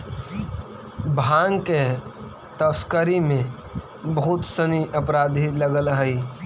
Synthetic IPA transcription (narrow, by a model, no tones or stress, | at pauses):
bʱãːŋɡke | t̪əskəɾimẽ | bəɦʊt̪səniʔəpɾaːd̪ʱiləɡəlɦəi